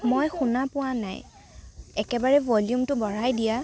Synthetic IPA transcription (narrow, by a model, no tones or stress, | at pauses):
mojxunapʊwana̰j | ɛkɛbaɹɛvɔljumtʊbɔɹajdija